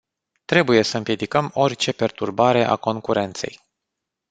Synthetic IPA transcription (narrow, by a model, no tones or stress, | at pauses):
t̪ɾe̞buje̞səɨmpje̞d̪ikəmo̞rʲt͡ʃe̞pe̞rt̪urbaɾe̞ʔa̰ko̞ŋkuɾe̞nt̪se̞̰j